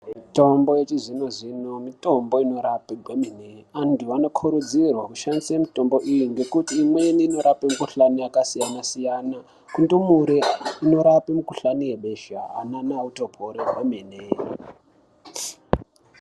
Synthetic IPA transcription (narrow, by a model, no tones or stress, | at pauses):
mito̞mbo̞je̞t͡ʃizino̞zino̞mito̞mbo̞ino̞ɾapeɡʱomeneantuano̞kʰuɾud͡zirwakuʃandisiemito̞mbo̞ʔijiŋɡe̞kutiːmweniːno̞ɾapemukuɬaniakasijanasijana | kundumuɾeino̞ɾapemukuɬaniweɓe̞ʃa̰ɦa̰nanauto̞pʰoɾeɡʱomene